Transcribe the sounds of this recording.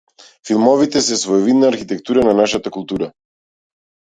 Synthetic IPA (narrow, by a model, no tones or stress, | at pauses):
filˠmɔvit̪ɛsɛsvɔɛvid̪naːɾxit̪ɛkt̪uɾananaʃat̪akulˠt̪uɾa